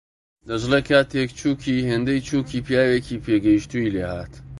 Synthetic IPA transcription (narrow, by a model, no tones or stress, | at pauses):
d̪ɐʒlekʰaːt̪ekt͡ʃʰuːkʰiːheːnd̪ejt͡ʃʰuːkiːpjaːwekiːpʰeɡɐjiʃt̪uileːhaːt̪